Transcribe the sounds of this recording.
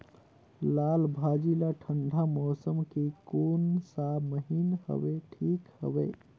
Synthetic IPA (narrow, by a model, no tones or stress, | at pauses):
lalbʱad͡ʒilaʈʰəɳɖʱamɔsəmkekonsabməɦinhə̰beʈʰikhə̰bḛ